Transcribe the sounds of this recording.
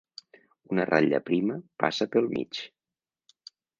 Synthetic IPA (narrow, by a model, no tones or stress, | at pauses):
unərʔaʎə̰pɾiməpa̰səpəlˠmḭt͡ʃ